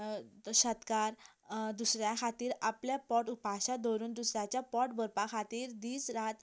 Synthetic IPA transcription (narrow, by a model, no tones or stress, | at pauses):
ɕət̪kaɾd̪usɾjakʰat̪iːɾapljapɔʈupaɕad̪ʱoɾuːnd̪usɾjat͡ɕjapɔʈbəɾpakʰat̪iːɾd̪iːsɾat̪